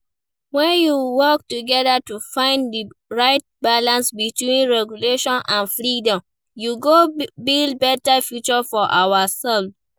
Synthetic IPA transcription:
wɛ̃njuwɔk̚tuɡɛðatufãɪ̃ndiɹaɪt̚balãnsbitwĩnɹɛɡjuleʃɔ̃nʔãnfɹidɔ̃m | juɡobild̚bɛtafjut͡ʃɔfɔʔawasɛlf

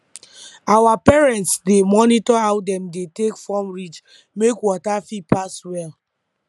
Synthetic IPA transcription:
awapɛɹɛ̃ntsdemɔnitɔaʊdɛ̃mdetekfɔmɹit͡ʃ | mekwɔtafipaswɛl

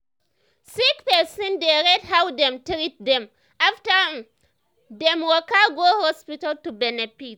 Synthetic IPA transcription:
sikpɛsɔ̃ndeɾɛd̚hawdɛ̃mtɹit̚dɛ̃m | ʔafta | dɛ̃mwɔkaɡohɔspitaltubɛnɛfit

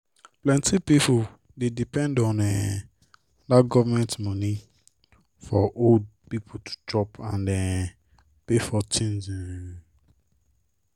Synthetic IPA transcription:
plɛ̃ntʰipipu | dedipɛ̃ndɔ̃nɛ | daɡɔvamɛ̃ntmɔni | fɔʔod̚pipʰutʰu̥tɔpʰãndɛ | pefɔtʰĩnzɛ

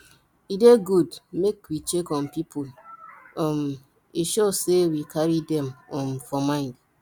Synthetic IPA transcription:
ideɡudmekwit͡ʃekɔmpipʰolɔm | iʃosewikʰaɾidɛmɔmfɔmãɪ̃nd

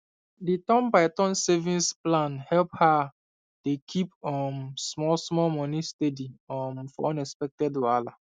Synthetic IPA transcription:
ditɔ̃mbaɪtɔ̃nsɛvĩnsplãnhɛlpha | dekʰipɔmsmɔlsmɔlmɔnistediɔmfɔɔ̃nɛspɛk̚tɛdwala

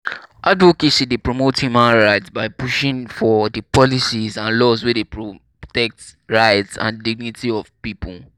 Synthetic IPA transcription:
ʔadokeʃĩdepɹomothumãnɹaɪtsbaɪpuʃĩŋfɔdəpɔlisizãnlɔzwɛdepɹo | tɛk̚tɹaɪtsã̰ndiɡ̚nitʰiɔv̥pipʰṵl

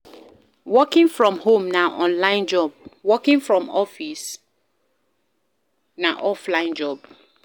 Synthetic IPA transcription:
wɔkĩŋfɹɔ̃mhõmnaʔɔ̃nlãɪ̃nd͡ʒɔb̚wɔkĩŋfɹɔ̃mɔfis | naʔɔflãɪ̃nd͡ʒɔb̚

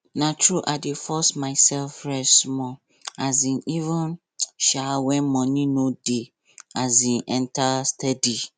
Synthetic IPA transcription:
nãtʰɹuʔadefɔsmaɪsɛlfɹɛsmɔ̃ | azĩnivə̃n | ʃawɛ̃nmɔ̃nĩnõde | azĩnʔɛ̃ntʰastʰɛdi

